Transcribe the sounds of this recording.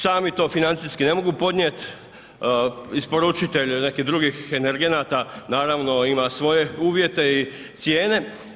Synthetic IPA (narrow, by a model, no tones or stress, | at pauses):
saːmit̪o̞ːfinant̪siskine̞mo̞ɡupo̞d̪ɲʲjet̪ | ispo̞ɾut͡ʃit̪e̞ʎʲne̞kiɦd̪ɾuɡixeneɾɡe̞nat̪anaːɾaʋno̞imasʋo̞je̞uːʋje̞t̪e̞i | t̪sje̞ːne̞